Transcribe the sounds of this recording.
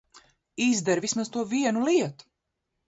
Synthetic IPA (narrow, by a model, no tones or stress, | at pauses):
izd̪ɛɾvismazt̪uɔviɛnuliɛt̪u̥